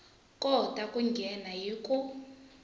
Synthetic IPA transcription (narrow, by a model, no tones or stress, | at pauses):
kʼɔtʼakʼuŋɡʱɛnajikʼu